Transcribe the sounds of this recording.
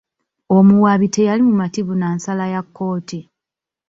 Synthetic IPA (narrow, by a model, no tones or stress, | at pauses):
o̞muwaβitʰe̞jalimumatiβunansalajakːo̞ːti